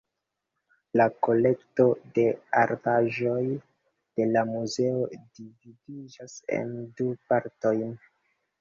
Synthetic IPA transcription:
lako̞le̞kto̞de̞aɾbaʒo̞j | d̥e̞lamuze̞o̞dividid͡ʒase̞̰ndupaɾto̞jn

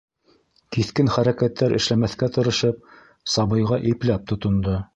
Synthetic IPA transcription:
kiθkɘnχæɾækæt̪ʰːæɾʔɘ̰̆ʃlæmæθkæt̪ɤ̆ɾɤ̆ʃɤp̚ | sɑβɤ̆jʁɑʔɘ̆plæp̚t̪ŏt̪ŏnd̪o

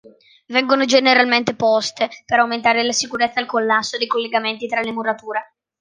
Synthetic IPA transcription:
vɛŋɡonod͡ʒeneɾalment̪epɔst̪epeɾawment̪aːɾelasikuɾet̪sːaːlkolːasːod̪ejkolːeɡament̪it̪ɾalemuɾat̪uːɾe

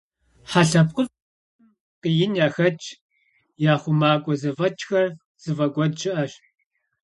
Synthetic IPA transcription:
ħaɬɐp̚qʼʊ | qəjɪnjaːxɐt͡ʃʰʼ | jaːχʷʊmaːkʷʼɔzɐvɐt͡ʃʼxɐr | z̥ɨvɐɡʷɔdʒɪʔɐɕ

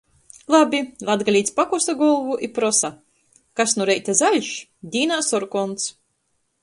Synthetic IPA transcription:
lˠabʲilˠad̪ɡalʲiːt̪sʲpakust̪aɡɔlˠvuʔipɾɔsa | kasnuɾɛjt̪azalʲʃd̪ʲiːnaːsɔɾkɔnt̪s

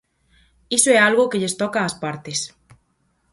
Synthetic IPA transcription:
isoɛalɣokeʎest̪ɔkaːspaɾt̪es

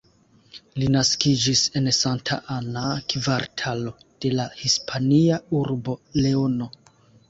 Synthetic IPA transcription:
linaskid͡ʒise̞nsantʰa̰ʔanakvaɾtʰalo̞d̥e̞lahispʰaniauɾbo̞le̞ono̞

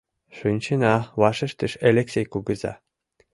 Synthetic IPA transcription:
ʂunʲt͡ɕɘnɑʋɑʂɘ̆ʃt̪ɘ̆ʃelʲeksʲejkuɡɤ̆zɑ̰

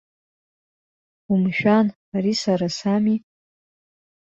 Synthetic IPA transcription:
umʃᶣan | aɾisaɾasami

